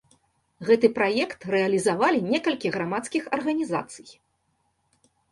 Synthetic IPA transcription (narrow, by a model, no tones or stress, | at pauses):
ɣɛt̪ɨpɾajɛkt̪rɛɐlʲizavalʲinʲɛkɐlʲkʲiɣɾamat̪skʲixɐrɣɐnʲiza̰t̪sɨ̥j